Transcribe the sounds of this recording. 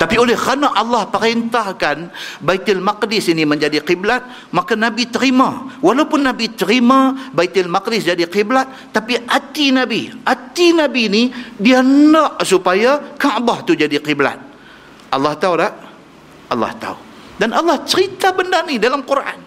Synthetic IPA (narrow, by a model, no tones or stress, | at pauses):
t̪apiolɛhkanaʔalːɑhpəɾɛnt̪ahkanbajt̪ɪlmaqdɪsiniməɲd͡ʒadiqiblat̪̚ | makanabit̪əɾimawalaupʊnːabit̪əɾimabajt̪ɪlmak̚dɪsd͡ʒadiqiblat̪̚ːapiʔat̪inabiʔat̪inabinidianaʔsupajakaʔbaht̪ud͡ʒadiqibla̰t̪̚ | ʔɑlːɑht̪aulaʔ | ʔɑlːɑ̰ht̪a̰ṵ | danalːɑht͡ʃəɾit̪abəndanidalamkuɾʔa̰n